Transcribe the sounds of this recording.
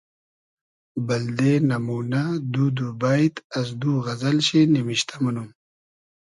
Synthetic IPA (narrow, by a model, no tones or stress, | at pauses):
bɐld̪enɐmuːnad̪ud̪ubajt̪ɐs̬d̪uɣɐzɐlɕinimiɕt̪ʰamanum